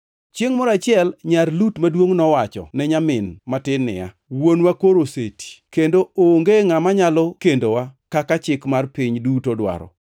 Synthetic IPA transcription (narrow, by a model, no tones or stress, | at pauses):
t͡ʃeŋmɔɾat͡ʃɪɛlɲarlutmadwoŋnɔwat͡ʃɔ̰nɛɲamɪnmatɪnɪ̰a̰ | wonwakoɾoseti̥kendooŋɡeŋamaɲalɔkendowakakat͡ʃɪkmarpɪɲdutodwa̰ɾɔ̰